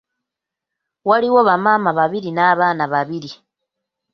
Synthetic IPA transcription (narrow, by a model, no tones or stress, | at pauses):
waliwo̞βamaːmaβaβiɾinaːβaːnaβaβiɾi